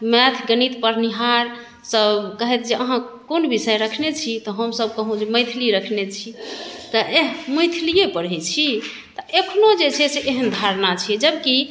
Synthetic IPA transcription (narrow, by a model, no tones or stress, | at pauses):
mɛt̪ʰɡənit̪pəɾniɦaɾ | səbkəɦɛt̪d͡ʒeʔəɦãkonbisəjɾəkʰnet͡ʃʰit̪ɔɦəmsəb̚kəɦũd͡ʒeməjt̪ʰiliɾəkʰnet͡ʃʰit̪ɔʔeɦməjt̪ʰilijepəɾɛt͡ʃʰi | t̪ɔʔekʰnod͡ʒet͡ʃʰɛseʔeɦənd̪ʱaɾnat͡ʃʰɛd͡ʒəbki